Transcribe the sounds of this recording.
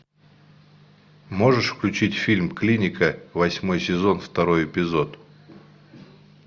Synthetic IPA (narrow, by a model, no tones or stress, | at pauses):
mo̞ʐɨʂfklʲʉt͡ɕitʲfʲilʲmklʲinʲɪkʰəvɐsʲmo̞jsʲɪzo̞nft̪ɐɾo̞jɪpʲɪzo̞t̪